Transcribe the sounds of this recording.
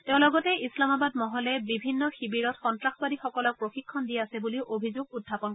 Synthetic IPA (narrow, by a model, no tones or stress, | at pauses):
tɛʊ̃lɔɡɔtɛʔislamabad̚mɔɦɔlɛbibʱinːɔxibiɹɔtxɔntɹaxɔbadixɔkɔlɔk̚pɹoxikʰːɔndiɛasɛbuliʊʔobʱizoɡudʱapɔnkɔ